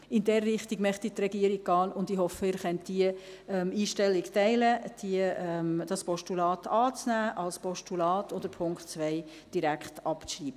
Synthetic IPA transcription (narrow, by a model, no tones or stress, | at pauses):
ɪndɛrːɪχtiɡmɛχtit̪rɛɡiəɾiɡ̥̚ɡ̥ɑːnʊndɪɦɔfəɪːɾχɛntd̥iə | ɛmiːʃtɛlɪɡtɛɪləd̥iəʔɛmd̥ɑspɔʃtulɑːtʰɑːt͡snæːʔɑlspɔʃtulɑːtʊndəpʰʊŋkχtt͡sʋɛɪ | d̥iɾækχtɑpt͡sriːbə